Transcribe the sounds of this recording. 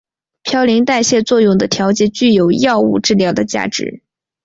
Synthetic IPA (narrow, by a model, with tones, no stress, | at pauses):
pʰjɑ˥ʊli˧˥ŋt̪a˥˧ɪɕjɛ˥˧t͡swɔ˥˧jʊ˥˩ŋd̪ə˩t̪ʰjɑ˧˥ʊt͡ɕjɛ˨˩˦t͡ɕy˥˩jo˨˩ʊjɑ˥˧ʊṵ˥˧ʈ͡ʂɻ̩˥˧ljɑ˥˩d̪ə˩t͡ɕja̰˥˩ʈ͡ʂɻ̩̰˧˥